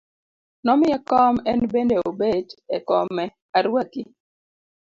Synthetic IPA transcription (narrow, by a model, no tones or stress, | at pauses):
nɔmɪɛkɔmɛnbendeobedɛkɔmɛ | aɾwaki